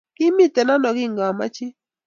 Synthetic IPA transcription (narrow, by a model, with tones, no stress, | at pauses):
kɪ˦mi˦tɛ˨na˦nɔ˨ɡɪ˦ŋɡɔ˨ma̰˦t͡ʃɪ˦